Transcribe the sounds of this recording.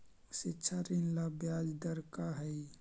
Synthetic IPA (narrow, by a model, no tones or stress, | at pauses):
sɪtːʃʰaɾinlabjaːd͡ʒd̪əɾkaɦɛi